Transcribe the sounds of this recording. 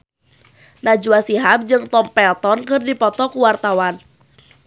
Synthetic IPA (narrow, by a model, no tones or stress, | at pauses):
nad͡ʒuasiɦap̚d͡ʒɨŋt̪ɔmpɛlt̪ɔnkɨrdipɔt̪ɔkuwart̪awan